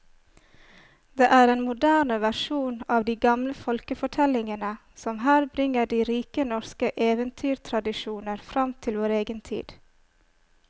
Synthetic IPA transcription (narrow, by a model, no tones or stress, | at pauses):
d̪eːʔæːɾeːnmʊd̪æːɳəʋæʃuːnɑːʋd̪iːɡɑmləfɔlkəfɔʈʰɛlɪŋənə | sɔmɦæːɾbɾɪŋəɖiːɾiːkənɔɾskəʔeːʋənt̪ʰyːɾt̪ʰɾɑd̪ɪʃuːnəɾfɾɑmt̪ʰɪlʋoːɾeːɡənt̪ʰḭːd̪̥